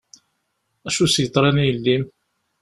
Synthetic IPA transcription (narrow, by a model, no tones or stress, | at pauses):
æʃusjət̪ˤːɾˤɑnijəlːim